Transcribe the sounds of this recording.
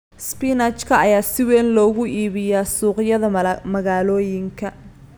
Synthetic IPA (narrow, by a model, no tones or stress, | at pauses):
spinɐt͡ʃkʰɐʔɐjaːsɪwɛːnlɔːɣʊʔiːβɪjaːsuːqjɐðɐmɐɣaːlɔːjɪŋkʰɐ